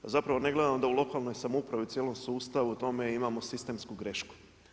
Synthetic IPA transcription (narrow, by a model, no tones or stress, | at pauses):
zapɾaʋo̞ne̞ɡle̞d̪amod̪aulˠo̞kaːlˠno̞jsamupɾaʋit̪sjelo̞msuːst̪aʋuut̪o̞me̞imaːmosist̪e̞mskuɡɾe̞ʃku̥